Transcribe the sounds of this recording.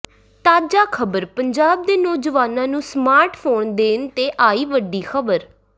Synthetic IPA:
t̪aːd͡ʒaːkʰəbəɾpəɲd͡ʒaːb̚d̪eːnɔːd͡ʒəʋaːnãːnũːsmaːɾʈpʰoːɳd̪eːnt̪eːʔaːiːʋəɖiːxʰəbəɾ

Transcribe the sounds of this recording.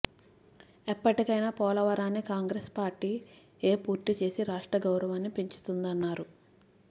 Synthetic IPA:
epːɐʈikɐjnaːpɔːlɐʋɐɾaːnːikaːŋɡɾespaːɾʈiː | eːpuːɾt̪it͡ʃe̞ːsiɾaːʂʈɾɐɡɐwɾɐʋaːnːipiɲt͡ʃu̥t̪und̪ɐnːaːɾu

